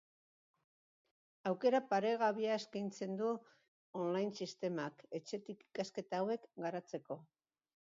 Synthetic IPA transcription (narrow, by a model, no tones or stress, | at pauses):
awke̞ɾapaɾe̞ɣaβiaeskajnt͡se̞nd̪u | onlajnsist̪e̞make̞t͡ʃe̞t̪iki̥kaske̞t̪awe̞kɡaɾat͡se̞ko̞